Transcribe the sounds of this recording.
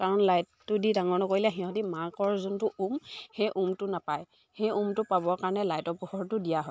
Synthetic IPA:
kaɹɔnlajttʊdidaŋɔɹnɔkoilɛɦĩɔ̃timakɔɹzuntʊʔumhejʔumtʊnapaj | hejumtʊpabɔkaɹɔnɛlajtɔɹpuhɔɹtʊdijaɦɔj

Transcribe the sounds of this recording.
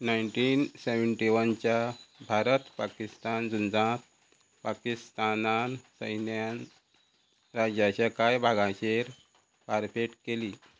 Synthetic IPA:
najɳʈinseʋəɳʈiʋənt͡ɕjabʱaɾət̪pakist̪and͡zund͡zãt̪̚ | pakist̪anansəjnjan | ɾad͡ʑjat͡ɕjakajbʱaɡãɕeɾ | paɾfeʈkeliː

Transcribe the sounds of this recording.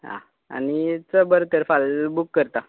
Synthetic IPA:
ɦã̰ | a̰nit͡səbəɾt̪əɾfalbukːəɾt̪a

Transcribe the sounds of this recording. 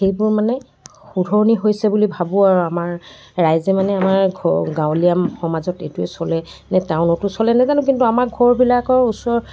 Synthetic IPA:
xejbʊɹmanɛ | xudʱɔɹniɦojsɛbulibʱabʊaɹuamaɹː | ajzɛmanɛamaɹɡɡãwliamxɔmazɔtetuɛsɔlɛ | nɛtãʊnɔtʊsɔlɛnazanʊ̃k̬intuamakɡʱɔɹbilakɔɹusɔɹ

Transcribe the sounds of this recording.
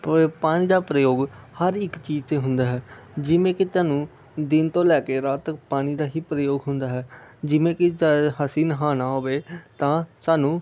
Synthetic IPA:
paːɽ̃iːd̪aːpɾəjoːɡhəɾɪkt͡ʃiːd͡ʒt̪eːɦʊnd̪aːɦɛːd͡ʒɪʋẽːkɪt̪aːnũː | d̪ɪnt̪õːlɛːkeːɾaːt̪ək̚paːɽ̃iːd̪aːɦiːpɾəjoːɡɦʊnd̪aːɦɛːd͡ʒɪʋẽːkɪɦəsiːnɦaːnaːɦoːʋeːt̪ãːsaːnũː

